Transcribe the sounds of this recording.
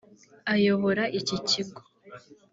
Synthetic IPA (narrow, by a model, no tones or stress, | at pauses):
ajo̞βo̞ɾaʔiciciɡo̥